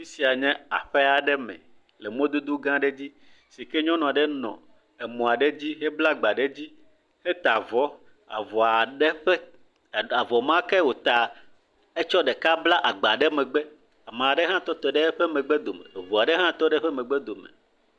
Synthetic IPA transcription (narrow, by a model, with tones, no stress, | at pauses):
mi˦si˨a˨ɲɛ̃˦a̰˨ɸɛ˦a˨ɖɛ˦mɛ̰̃˨ | le˨mõ˦d̪o˦d̪o˦ɡã˦ɖe˦d͡ʑi˦ | si˨kɛ˦ɲɔ̃˦nɔ̃˨a˨ɖɛ˦nɔ̰̃˨ | e˨mɔ̃˨a˨ɖe˦d͡ʑi˦ɦe˦bla˦ɡ͡ba˨ɖe˦d͡ʑi˦ | he˦t̪a˨vɔ˦ | a̰˨vɔ˨a˨ɖɛ˦ɸɛ˦˨ | a˨vɔ˨mã˦kɛ˦wo˨t̪a˨ | e˦t͡ʃɔ˦ɖɛ˨ka˦bla˦ʔa˨ɡ͡ba˨ɖɛ˦mɛ̃˨ɡ͡bɛ˦ | a˨mã˨ɖɛ˦ɦã˦t̪ɔ˦t̪ɔ˨ɖɛ˦ɸɛ˦mɛ̃˨ɡ͡bɛ˦d̪o˨mɛ̰˨vɔ˨a˨ɖɛ˦ɦã˦t̪ɔ˦ɖɛ˦ɸɛ˦mɛ̃˨ɡ͡bɛ˦d̪o˨mḛ̃˨